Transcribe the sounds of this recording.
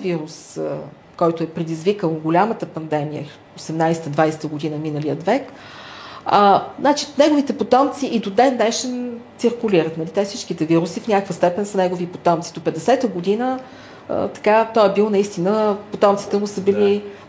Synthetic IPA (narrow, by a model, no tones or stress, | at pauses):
viɾus | kɔjt̪ʊɛpɾɛd̪izvikəlˠnɡolʲamət̪əpɐnd̪ɛmijə̰ | osɛmnajsɛ̥t̪əd̪vajsɛ̥t̪əɡod̪inəminəlijət̪vɛk | ənat͡ʃinɛɡovit̪ɛpot̪ɔmt̪siʔid̪od̪ɛnːɛʃɛnt̪siɾkʊliɾət̪nɐlit̪ɛfsit͡ʃkit̪ɛviɾusifnʲakvəst̪ɛpɛnsənɛɡovipot̪ɔmt̪sid̪opɛd̪ɛsɛt̪əɡod̪inə | ə̰t̪ɐ̥kat̪ɔɛbilˠnɐist̪inəpot̪ɔmt̪si̥t̪ɛmʊsəbili